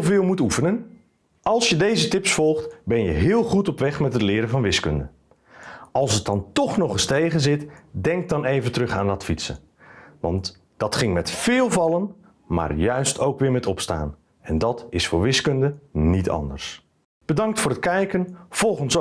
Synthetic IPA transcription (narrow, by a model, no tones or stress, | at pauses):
vɪːlˠmutufənən | ʔɑlˠsjədejzətɪpsfɔlˠχtbɛnjəɦɪːlˠχutɔpʋɛχmɛtɦətlɪːɾəvɑnʋɪskɵndə | ʔɑlˠsət̚dɑntɔχnɔχəstejχənzɪtdɛŋk̚dɑnejvəntrɵχa̰ːndɑtfisə̰ | ʋɑ̰nt | d̥ɑtχɪŋmɛtfɪːlˠvɑlˠən | ma̰ːrjœɥstʰowkʋɪːɹmɛtɔpsta̰ːn | ɛndɑtɪsfʊːɹʋɪskɵndənitɑ̰ndə̰ɹs | b̥ədɑŋktfʊːɾət̚kɛjkənv̥ɔlˠχəns